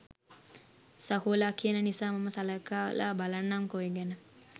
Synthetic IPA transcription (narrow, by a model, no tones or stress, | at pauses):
səɦuːlaːkijənənisaːmaməsaləkaːʋə̰lʔa̰balanːamkoeɡænə